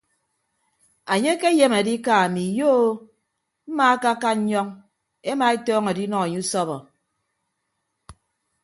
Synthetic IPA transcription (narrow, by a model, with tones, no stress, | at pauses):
a˨ɲe˦ke˦je˦m˨a˨di˦ka˨a˨mi˨jo˦ | m̩˦ma˦a˦ka˦ka˦ɲɔ˦ŋ | e˦ma˨e˦tɔː˦ŋa˨di˦nɔ˨ŋa˨ɲe˦u˦sɔ˦βɔ˨